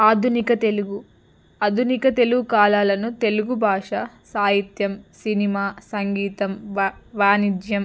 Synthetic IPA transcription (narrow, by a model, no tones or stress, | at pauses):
aːd̪ʱunikɐt̪e̞luɡu | ɐd̪ʱunikɐt̪e̞luɡukaːlaːlɐnut̪e̞luɡubʱaːʂɐ | saːɦit̪jɐmsinimaːsɐŋɡiːt̪ɐmʋaːnid͡ʒjɐm